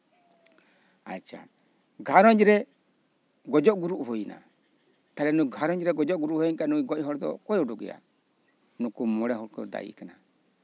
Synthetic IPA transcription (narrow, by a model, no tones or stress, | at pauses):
a̰t͡ʃa̰ | ɡaɾɔd͡ʒiɾɛ | ɡɔd͡ʒɔɡuɾuuhoina̰ | talɛnuɡaɾɔd͡ʒiɾɛɡɔd͡ʒɔɡuɾuhoiŋkanuiɡɔiɦɔɾtɔ̰kɔjoduɡḭa̰ | nukumɔɾɛhɔɾkɔ̰da̰jḭkina